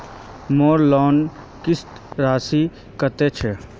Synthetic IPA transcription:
moːɾlɔːn | kɪst̪ | ɾaːsi | kɐt̪et͡ʃʰe

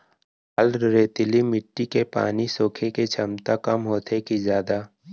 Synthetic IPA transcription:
əlɾeːt̪ɪlimɪʈːikepa̰ːnisoːkʰeket͡ʃʰɐmt̪akɐmɦoːt̪ʰekizjaːd̪aː

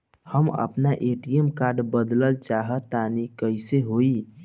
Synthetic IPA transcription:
həmə̰pnaʔeʈijəmkaɾɖbəd̪ləlt͡ʃaɦət̪ːanikəjseɦoi

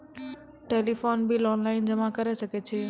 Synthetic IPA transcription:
ʈeːlifoːnbʱilɔːnlaːɪnd͡ʑɐmãkɐɾesɐket͡ɕʰeː

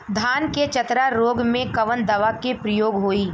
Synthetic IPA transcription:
d̪ʱaːnket͡ʃɐt̪ɾaɾoːɡmẽkɐʋənd̪ɐʋakepɾəjoːɡɦoːiː

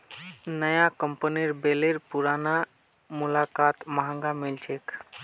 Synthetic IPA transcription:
nəjakəmpəniɾbeleɾpuɾana | mulakat̪məɦə̃ŋɡamilt͡ʃʰek

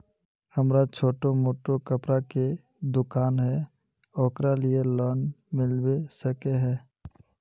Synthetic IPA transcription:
həmɾat͡ʃʰoːʈomoːʈokəpɾake | d̪ʊkaːnɦɛ | ɔːkɾalielɔːnmɪlwesəkeɦɛ̃ː

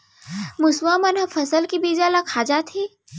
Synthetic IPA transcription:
mʊswamɐnɦɐfʰɐsəlkibiːzaːlakʰaːd͡ʒat̪ʰiː

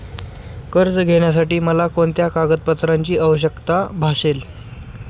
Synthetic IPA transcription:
kəɾd͡zɡʱeɳjas̬aʈiːməlakoɳt̪jakaɡəd̪̚pət̪ɾaɲt͡ɕiːəʋəɕəkt̪abʱaɕel

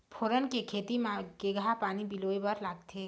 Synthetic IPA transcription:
pʰoɾənkekʰeːt̪imãɡeɡʱapaːnibilobəɾlaːɡt̪ʰe

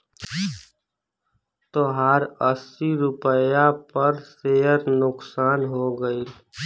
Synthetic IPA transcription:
t̪oɦaːɾəsiɾʊpəjapəɾsejəɾnʊksaːnɦoɡəiː

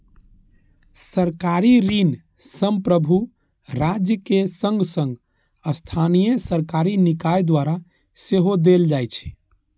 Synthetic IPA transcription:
səɾkaɾiɾin | səmpɾəbʱu | ɾad͡ʒjəkesə̃ŋɡsə̃ŋɡ | əst̪ʰanijesəɾkaɾinikajd̪waɾa | seɦod̪eld͡ʒajt͡ʃʰɛ̥

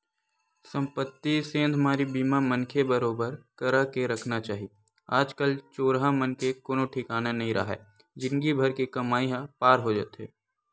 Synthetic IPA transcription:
sɐ̃mpət̪ːisẽːnd̪ʱmaːɾibiːmamɐnkʰebɐɾoːbəɾkɐɾakeɾɐkʰnat͡ʃaːɦie | aːd͡ʒkəlt͡ʃoːɾɦamɐnkekoːnõʈʰɪkaːnanɐɦĩɾʔɐ̰ɦɛ̰ː | d͡ʒɪnɡibʱɐɾkikɐmaːiɦãpaːɾɦod͡ʒa̰ːt̪ɦɛ̰ː

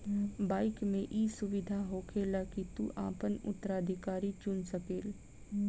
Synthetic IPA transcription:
baːɪkmẽʔiːsʊʋɪd̪ʱaɦoːkʰeːlakit̪ṵʔa̰ːpənʊ̰t̪ːəɾaːd̪ʱɪkaːɾit͡ʃʊnsəkeːl

